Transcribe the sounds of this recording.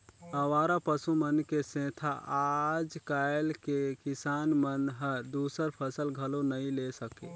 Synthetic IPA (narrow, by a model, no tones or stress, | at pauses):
əʋaːɾapəsumənkesẽt̪ʰaad͡ʒkaɪlkekisanmənɦəd̪usəɾpʰəsəlɡʱəlonəilesəkḛ